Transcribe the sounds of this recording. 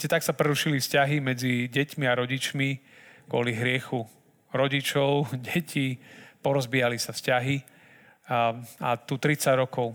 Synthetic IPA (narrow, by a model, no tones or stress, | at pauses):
cɛt̪aksapɾɛɾuʃilifscaɦimɛd͡ziɟɛcmiaɾɔɟit͡ʃmi | kʊɔ̰liɦɾɪɛxu | ɾɔɟit͡ʃɔʊɟɛcʰipɔɾɔzbiːalisafscaɦi | at̪ut̪ɾit͡saɟɾɔkɔʊ